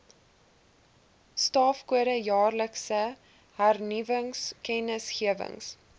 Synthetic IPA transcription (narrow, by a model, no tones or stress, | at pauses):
stɑːfkuəɾəjɑːrləksə | ɦærnivəŋskɛnəsχiəvə̰ŋs